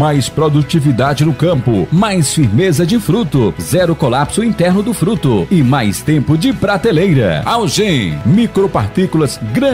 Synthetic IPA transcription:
majspɾod̪ut͡ʃivid̪ad͡ʒɪnʊkɐ̃pʊ̰majsfiɾmezɐd͡ʒɪfɾut̪ʊzɛɾʊkolapsʊĩnt̪ɛɾnʊd̪ʊfɾut̪ʊɪmajst̪ẽmpʊd͡ʒɪpɾat̪elejɾɐ̰awʒẽmikɾopaɾt̪ikʊlɐzɡɾɐ̃

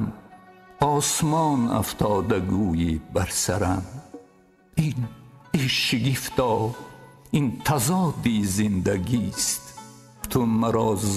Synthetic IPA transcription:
m | ɔːsmɔːna̰ft̪ʰɔːd̪aɡuːjibæɾsaɾam | iniʃiɡift̪ɔː | int̪ʰazɔːd̪izind̪æɡist̪ | t̪ʰumaɾɔːz

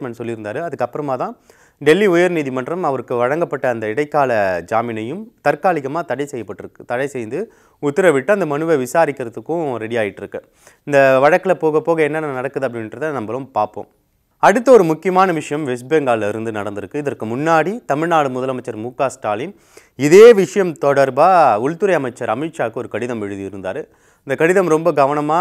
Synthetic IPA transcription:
mɛɳɖsɔlːɪɾɯnd̪aːɾɯɐðɯkːɐpːɯɾɐmaːt̪ãː | ɖɛlːiʊjɐɾniːðimɐɳɖrɐmɐʋɐɾɯkːɯʋɐɻɐŋɡɐpːɐʈːɐːnd̪ɐɪɽɐɪkːaːlɐd͡ʒaːmɪnɐjɯmt̪ɐɾkaːlɪɣɐmaːt̪ɐɽɐɪsɛjːɐpːɐʈːɯɾɯkːɯ̥t̪ɐɽɐɪsɛjnd̪ɯ | ʊt̪ːɪɾɐʋɪʈːɯɐnd̪ɐmɐnɯʋɐʋɪsaːɾɪkːɐɾɐt̪ːɯkːʊ̃ɾɛɽɪaːjɪʈːɪɾɯkːɯ | ɪnd̪ɐʋɐɻɐkːɯlɐpoːɣɐpːoːɣɐɛnːɐnːɐnɐɽɐkːɯðɯɐp̬ːɐɽɪnnɾɐðɯnɐmbɐlɯmpaːɾpõ̰ːm | ɐɽɯt̪ːɐɔɾɯmʊkːɪjɐmaːnɐʋɪʂɐjɐmʋɛs̬beŋɡaːllɐɪɾɯnd̪ɯnɐɽɐnd̪ɪɾɯkːɯɪðɐɾkɯmʊnːaːɽit̪ɐmɪɻnaːɽɯmʊðɐlɐmɐɪt͡ʃːɐɾmuːkːaːsʈaːlɪn | ɪðeːʋɪʂɐjɐmt̪ɔɽɐɾbaːʊlt̪ɯɾɐjɐmɐɪt͡ʃːɐɾɐmiːʈʂaːkɯɔɾɯkɐɽɪðɐmʋɛɻɯðiɪɾɯnd̪aːɾɯ | ɪnd̪ɐkɐɽɪðɐmɾɔmbɐɡɐʋɐnɐmaː

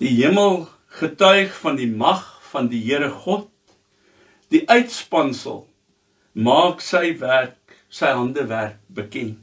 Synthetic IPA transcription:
d̥iɦiəməlˠ | χətœɥχfɐndimɐχfɐndiɦiəɾəχɔt̚ | d̥iʔœɥtspɐnsə̰lˠ | mɑːksɛjværk | sɛjɦɐndəværk̚bəkɛn

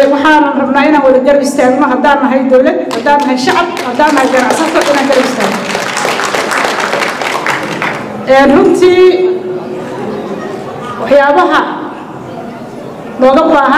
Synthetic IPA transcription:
wɑħaːnɐnrɐbnaːɪnaːnwɑðɐɡɐɾɪst̪ʰaːɡmɐɦɐd̪aːnːɐɦɛjd̪ɔwlɐd̪̚hɐd̪aːnːɐɦɛjʃɑʕɑb̚hɐd̪aːnːɐhɛjɡɐnɑʕsɐt̪ʰɔʔɪnaːɡɐɾɪst̪ʰaːn | ʔɛːnrʊnt̪ʰiː | wɑħjaːβɐɦɐ | nɔːɣɐbaːɦɐ

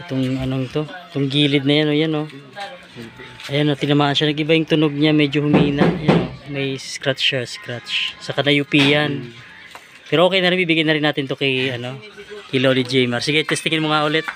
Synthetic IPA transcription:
ʔɪt̪oŋɐno̞ŋt̪o̞ɪt̪oŋɡiːlɪd̪̚nɐjanojano̞ | ʔɐjanot̪ɪnɐmaːʔɐnʃanɐŋʔɪbajʊŋt̪ʊnoɡ̚ɲamɛːd͡ʒohʊmiːnɐʔjanomɐjsskɾat̪t͡ʃːɛskɾat̪t͡ʃsɐkɐnɐjʊpiːjɐn | pɛːɾoʔokɛjnɐɾɪnbiːbɪɡajnɐɾɪnːaːt̪ɪnt̪okɛɐno̞kɪlolid͡ʒɛjmɐɾsɪɡɛt̪ːɛst̪ɪŋɪnmoŋaʔʊlɛt̪̚

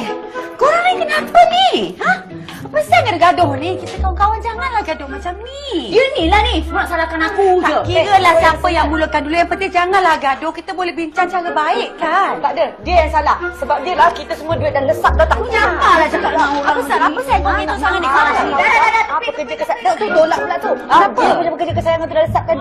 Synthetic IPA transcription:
koɾaŋnikənapənihə̃h | pəsakadəɡadʊhnikit̪əkawankawand͡ʒaŋanlahɡadʊhmat͡ʃamnidiənilahnisəbaʔ̚salakanakukiɣəlahsapəjaŋmulukandulujaŋpət̪id͡ʒaŋanlahɡadʊhkit̪əbolɛhbiɲt͡ʃaŋt͡ʃaləbaɪʔkant̪aʔdədiəjaŋsalahsəbap̚diəlahkit̪asəmũaduet̚daləsat̪̚d̪at̪aʔapalad͡ʒakaʔaukapəalapəsaamiusaŋaniaaaialaadaaəkəd͡ʒəkəsaat̪ud̪olaʔ̚dolaʔt̪uaapəəd͡ʒabəkəd͡ʒəkəsajaŋant̪udaləsat̪̚kan

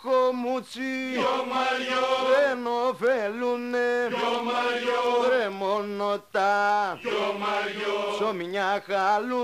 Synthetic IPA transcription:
komut͡ʃi | ɾenɔvelune | ɾemonɔt̪a | ʃomĩɲakalu

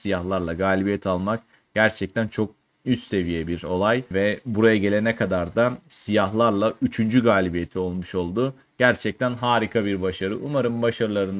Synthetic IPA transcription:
sijahlˠaɾlˠaɡaːlʲibijɛt̪ʰalˠmak̚ | ɟ̥æɾt͡ʃʰɛc̚t̪ʰænt͡ʃʰo̞k̚ | yst̪se̞vijɛbiɾo̞lˠajvɛbuɾajaɟe̞lʲenɛkʰad̪aɾd̪asijaɦlˠaɾlˠayt͡ʃʰynd͡ʒyɡaːlʲibijet̪ʰio̞lˠmuʃo̞lˠd̪ʊ | ɟ̥æɾt͡ʃʰɛc̚t̪ʰænɦaːɾikʰabiɾbaʃaɾɯʔumaɾɯmbaʃaɾɯlˠaɾɯn

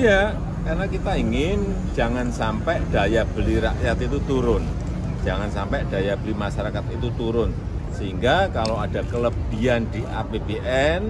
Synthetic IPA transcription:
ja | karnakit̪aiŋɪn | d͡ʒ̥a̤ŋansampɛʔd̥a̤jab̥əliɾaʔjat̪it̪ut̪uɾʊn̥ | d͡ʒ̥a̤ŋansampɛʔd̥a̤jab̥əlimaʃaɾakat̪̚it̪ut̪uɾʊn | səɦiŋɡakaload̥a̤kələb̥i̤and̪̥i̤ʔabebeʔɛn

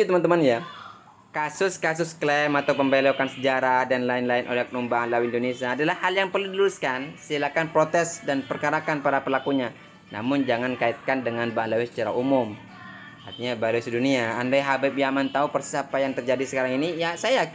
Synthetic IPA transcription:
t̪əmant̪əmanja | kasʊskas̬ʊsklɛmat̪awpəmbeleokansəd͡ʒaɾahdanlaɪnlaɪnʔo̰lɛhkənumbaɦanlawiɪndonesiaːdalahhaljaŋpərludiluɾʊskansilakanpɾot̪ɛsdanpərkaɾakanpaɾapəlakuɲa | na̰mʊnd͡ʒaŋankait̪̚kandəŋanbaɦanlawisə̥t͡ʃaɾa̰umʊm | art̪iɲabaluisiduniaːndɛɦabɛpiamant̪aupərsisapajaŋt̪ərd͡ʒadisə̥kaɾaŋinijasaja

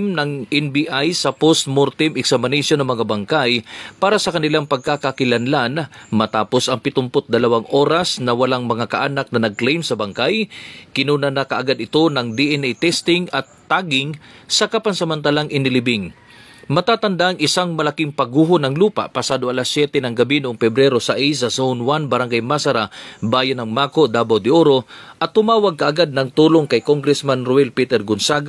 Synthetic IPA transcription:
mnɐŋʔɛnbiʔajsɐpost̪̚moɾt̪ɪmɪksɐmɐnisjonɐŋmɐŋabɐŋkajpaːɾɐsɐkɐnɪlaŋpɐɡ̚kakakɪlɐnlanmɐt̪aːpo̞sɐŋpɪt̪ʊmpot̪̚d̪ɐlɐwaŋʔo̞ːɾɐsnɐwɐlaŋmɐŋakɐʔaːnak̚nɐnɐɡ̚klɛjmsɐbɐŋkajkɪnuːnanɐkɐʔɐɡad̪ɪt̪o̞nɐŋd̪iʔɛnɛjt̪ɛst̪ɪŋɐt̪ːaːɡɪŋsɐkapansɐmɐnt̪alaŋʔɪnɪlɪbɪŋ | mɐt̪aːt̪ɐnd̪aʔːŋɪsaŋmɐlakɪŋpɐɡuːɦonɐŋluːpa̰pɐsaːd̪oʔɐlasjɛt̪ɛnɐŋɡɐbinʊʔoŋfɛbɾɛɾo̞sɐʔijs̬ɐsownwanbɐɾaŋɡajmasɐɾabaːjanɐŋmaːkoʔd̪aːbawd̪ɪʔoɾo̞ʔɐt̪ːʊmaːwaɡ̚kɐʔaɡad̪̚nɐŋt̪uːloŋkɐjkoŋɡɾɛsmanɾʊɛlpiːt̪ɛɾɡʊnsaɡ

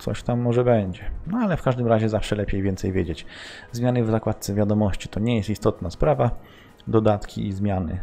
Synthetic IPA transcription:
t̪sɔ̰ɕt̪amːɔʐɛbɛɲd͡ʑɛnɔalɛfkaʐd̪ɘmɾaʑɛzafʂɛlɛpʲjejvʲɛnt̪sɛjvʲjed͡ʑet͡ɕzmʲjanɘvzakwat̪̚sɛvʲjad̪ɔmɔɕt͡ɕi̥t̪ɔɲɛjɛst̪ist̪ɔt̪naspɾava | d̪ɔd̪at̪kʲḭizmʲjanɘ̰

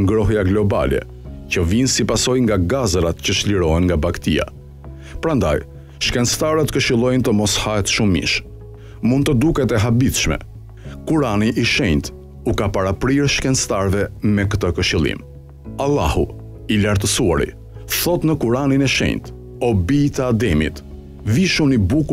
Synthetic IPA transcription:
ŋɡɾɔɦjaɡlɔba̰lɛ̰ | cəvinsipasɔjŋɡaɡazɾat̪cəʃliɾɔɦɛnŋɡabakt̪ḭa̰ | pɾand̪a̰j | ʃkɛnst̪aɾət̪kəʃilˠɔjnt̪əmɔshaɛt̪ʃumḭʃ | mund̪̚t̪ːəd̪ukɛt̪ɛɦabiθʃmɛ̰ | kuɾaniʔiʃɛɲt̪ | ukapaɾapɾiɾʃkɛnst̪aɾvɛmɛkət̪əkəʃilˠḭm | alˠːahṵ | ilaɾt̪əsuaɾḭ | θɔt̪nəkuɾaninɛʃɛ̰ɲt̪ | ɔbit̪ad̪ɛmḭt̪ | viʃumibuku

